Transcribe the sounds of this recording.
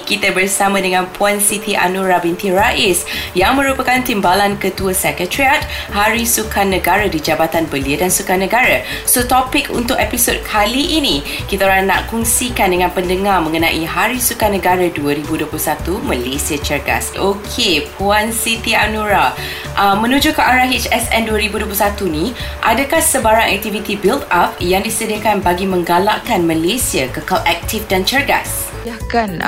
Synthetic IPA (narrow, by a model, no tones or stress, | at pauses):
kit̪abərsamãdəŋãnpʰuansit̪iʔa̰nuɾabint̪iɾaʔɪsjaŋmə̃ɾupakant̪imbalankət̪uəsɛkətɾiat̪̚haɾisukanːəɡaɾadid͡ʒabat̪anbəliədansukanə̃ɡaɾə | sot̪ɔpɪkṵnt̪ʊkɛpisod̚kʰaliʔːnĩ | kit̪aɾana̰ʔkuŋsikandəŋãnpəndəŋarmə̃ŋənã̰ʔiɦaɾisukanə̃ɡaɾaduəɾibuduəplusat̪uməlesiət͡ʃərɡa̰sʔokʰepuansit̪ianuɾa | ʔəmə̃nũd͡ʒukaʔaɾaɦit͡ʃɛsɛnduəɾibuduəpusat̪unĩʔadakahsəbaɾaŋɛ̰k̚t̪ivit̪ibilt̪ap̚jaŋdisədiakanbaɡimə̃ŋɡala̰ʔkanmalesiəkəkalʔɛk̚t̪ʰifdant͡ʃərɡa̰s | akan